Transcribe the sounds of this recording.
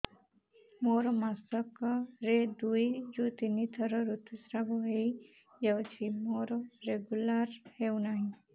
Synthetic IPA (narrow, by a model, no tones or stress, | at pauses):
moɾɔmasɔkɔɾed̪ujd͡ʒut̪init̪ʰɔɾɔɾut̪ʰusɾabɔɦej | jawt͡ʃʰimoɾɔɾeɡulaɾhewnaɦĩ